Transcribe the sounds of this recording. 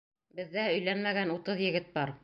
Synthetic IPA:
bɘ̆ðːæɵ̆jlænmæɡænut̪ɤðjɘ̆ɡɘt̪̚bɑɾ

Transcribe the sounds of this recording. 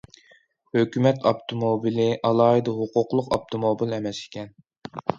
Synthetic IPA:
høkʲymɛt̪ʰɑpt̪ʰomobilɪʔɑlˠɑːɦɨd̪ɑɦʊqʊqlˠʊqɑp̚t̪ʰomobilɛmɛsi̥kʲɛn

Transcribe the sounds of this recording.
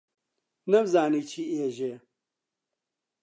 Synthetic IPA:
nɐbzaːniːt͡ʃʰieːʒeː

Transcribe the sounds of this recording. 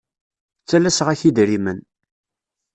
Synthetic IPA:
t͡sːælæsʁæçid̪ɾimən

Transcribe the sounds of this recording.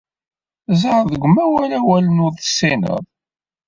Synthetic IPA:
zəɾðəɡʷəmæwælæwælənʊðˤsːinə̰ðˤ

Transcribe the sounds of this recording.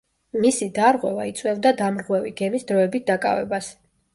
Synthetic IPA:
misid̪aɾʁwɛvait̪sʼwɛld̪ad̪amɾʁwɛviɡɛmisd̪ɾɔɛbit̪̚d̪akʼa̰vɛ̰bas

